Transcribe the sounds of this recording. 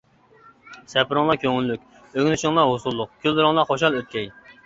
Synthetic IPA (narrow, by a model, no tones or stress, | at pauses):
sɛpɾɨŋlˠɑkʲʰøŋylːykʲ | øŋʲnyʃɪŋlˠɑɦosulˠːʊq̚kʲʰyldɾɨŋlˠɑχoʃ̬ɑlˠøt̪̚kʲɛj